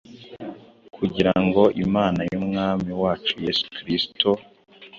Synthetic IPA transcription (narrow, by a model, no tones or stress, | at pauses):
kʰuɟiɾaŋɡo̞ʔimaːnajumŋaːmiwaːt͡ʃuje̞su̥kɾisto